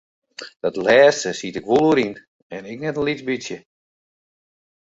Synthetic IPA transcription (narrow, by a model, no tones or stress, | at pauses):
d̥ɔtlɛːstəsitɪkʋulˠuɾin | ɛnɪknɛtənlit͡sbit͡sjə